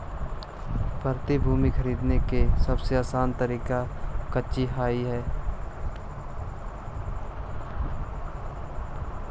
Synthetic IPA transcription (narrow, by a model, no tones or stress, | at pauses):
pəɾt̪ibʱuːmikʰəɾiːd̪nekesɐbseaːsaːnt̪əɾiːkakətːʃiɦaːiɦɛː